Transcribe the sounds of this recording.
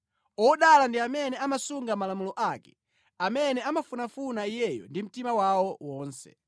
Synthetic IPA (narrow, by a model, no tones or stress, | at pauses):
ɔɗalandiamɛnɛamasuŋɡamalamulɔʔakɛ̥ | amɛnɛamafunafunaijɛjɔ̰ndim̩timawawɔwɔːnsɛ̰